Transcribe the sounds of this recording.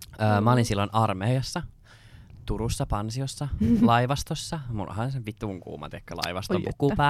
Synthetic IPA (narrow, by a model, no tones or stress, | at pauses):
øːmɑolinsilːonʔɑrmeːjɑsːɑ | t̪uɾusːɑpɑnsiosːɑlɑiʋɑst̪osːɑmṵl̰ːhɑnseʋʋit̪uŋkṵːmɑ̰t̪ekːølɑ̰iʋɑst̪ompukːupæ